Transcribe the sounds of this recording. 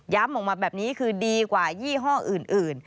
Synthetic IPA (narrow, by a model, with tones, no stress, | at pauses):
ja˦˥mʔɔ˨˩k̚maː˧˩bɛː˨˩p̚niː˦˥kʰɯː˧diː˧kwaː˨˩jiː˥˩ɦɔː˥˩ŋʔɯː˨˩nʔɯː˨˩n